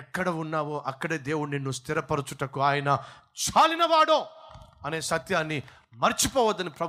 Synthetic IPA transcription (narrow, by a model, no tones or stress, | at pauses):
ɛkːɐɽɐunːaːʋoːʔɐkːɐɽe̞ːd̪e̞ːwuɽuninːust̪ʰiɾɐpɐɾut͡ʃuʈɐkuaːjɐnɐ | t͡ʃaːlinɐʋaːɽoːɐne̞ːsɐt̪jaːnːi | mɐɾt͡ʃipɔːʋɐd̪ːɐnipɾɐ